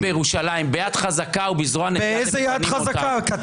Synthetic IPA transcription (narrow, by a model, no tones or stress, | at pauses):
bejeʁuʃalaimbejad̥χazakaubizʁoaneeejzejad̪χazakakat̪